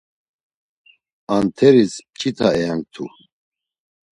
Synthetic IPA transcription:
ant̪ʰɛɾispt͡ʃʰit̪ʰaɛjaŋk̚t̪ʰṵ

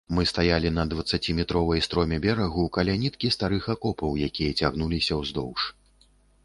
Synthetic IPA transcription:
mɨst̪ajalʲinɐd̪vɐt̪sːat͡sʲimʲɛt̪ɾɔvɐjst̪ɾɔmʲɛbʲɛɾɐɣukɐlʲanʲit̪̚kʲist̪aɾɨxɐkɔpɐwjakʲijɐt͡sʲaɣn̪ulʲisʲɐwzd̪ɔwʂ

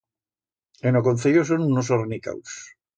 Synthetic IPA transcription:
enokon̟θejos̬onunos̬oɾnika̰ws

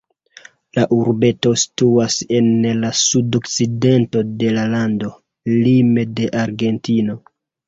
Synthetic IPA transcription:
laʔuɾbe̞to̞si̥tuase̞nlasudo̞kt͡side̞nto̞de̞lalando̞ | limede̞ʔaɾɡe̞ntino̞

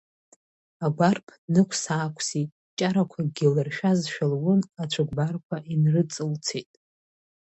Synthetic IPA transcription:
aɡʷarpʰnɨkʷʰsaːkʷʰsitʼ | t͡ʃʼaɾakʷʰaɡʲɪlɨrʃᶣazʃᶣalwʊnat͡ʃʷʰaɡ̚ʷbarkʷʰaʔinrɨt͡sʼɨlt͡sʰetʼ

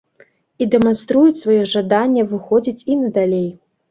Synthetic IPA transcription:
id̪ɛmanst̪ɾujut͡sʲsvajɔʐad̪anʲːɛvɨxɔd͡zʲit͡sʲinɐd̪alʲej

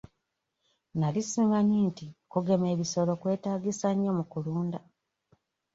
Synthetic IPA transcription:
nalisiːŋɡaɲintikuɡe̞me̞ːβiso̞lo̞kwe̞ːtaːɡisaɲːomukuluːnda

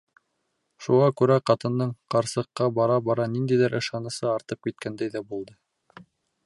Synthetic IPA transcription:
ʃuʁɑkʉɾæqɑt̪ɤ̆nd̪ɤɴqɑɾsɤ̆qːɑbɑɾɑbɑɾɑnind̪æjðɘɾʔɤ̆ʃɑnɤ̆sɤɑɾt̪ɤp̚kit̪̚kænd̪æjðæbulˠd̪ɤ

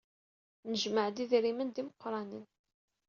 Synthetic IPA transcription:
nəʒməʕd̪iðɾimənd̪iməqːɾˤɑnin

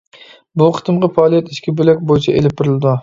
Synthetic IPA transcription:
bʊqʰɨ̥t̪ʰɨmʁɑfɑɒːlˠijat̪ɪʃkʲɪbølakʲbojɪt͡ʃʰaḛlɪp̚t̪ʰɪɾɪld̪ʊ

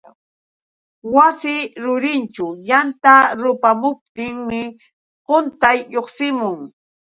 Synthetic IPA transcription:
wasɪɾʊɾɪnt͡ʃʊjant̪aɾʊpamʊp̚t̪ɪŋmɪ | qʊnt̪ajʎoχsɪmʊŋ

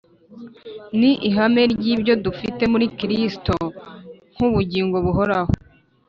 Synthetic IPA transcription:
niʔiɦame̞ɾɟiːbɟo̞dufite̞muɾikiɾistoŋ̥huβuɟiːŋɡo̞βuɦo̞ɾaho

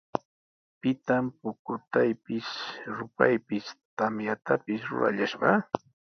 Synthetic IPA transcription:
pɪt̪ampʊkʊt̪ajpɪsɾʊpajpɪst̪amjat̪apɪsɾʊ̰ɾa̰ʎaʃɢɑ

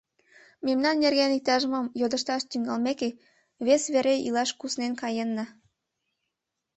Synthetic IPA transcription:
memnɑnːerɣenik̚t̪ɑʒəmɤmjod̪ə̆ʃt̪ɑʃt̪yŋɡɑlmeke | βesβeɾeilɑʃkusnenkɑjenːɤ̆

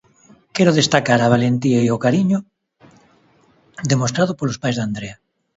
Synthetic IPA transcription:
kɛɾoðest̪akaɾaβ̞alent̪iajokaɾiɲo | d̪emos̬t̪ɾaðopolospajzðand̪ɾea

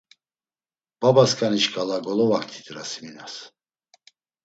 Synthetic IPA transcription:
b̥abaskʼaniʃkʼalaɡɔlɔvakʰt̪ʰi̥t̪ʼɾasminas

